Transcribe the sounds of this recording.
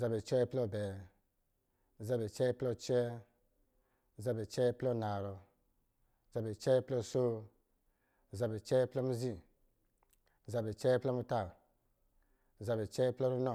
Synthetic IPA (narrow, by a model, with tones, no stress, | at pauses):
za˧bɛ˨t͡ʃɛ˦plɔ˦˧˨bɛ˨ | za˧bɛ˨t͡ʃɛ˦plɔ˧t͡ʃɛ˦˨ | za˧bɛ˨t͡ʃɛ˦plɔ˦˨na˨ɾɔ˧˨ | za˧bɛ˨t͡ʃɛ˦plɔ˧˨so˦˨ | za˧bɛ˨t͡ʃɛ˦plɔ˦mu˧˦zi˧˨ | za˧bɛ˨t͡ʃɛ˦plɔ˦mu˧ta˦˨ | za˧bɛ˨t͡ʃɛ˦plɔ˦ɾu˦nɔ˦˨